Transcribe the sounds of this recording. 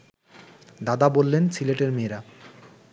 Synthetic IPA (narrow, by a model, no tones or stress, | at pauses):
d̪ad̪abolːensileʈeɾmeɾa